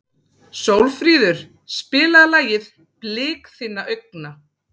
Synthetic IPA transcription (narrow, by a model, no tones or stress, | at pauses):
sowlfɾiːðʏɾ̥ | spɪːlaðlaːjɪð | plɪːkθɪnːaʔœɥk̚na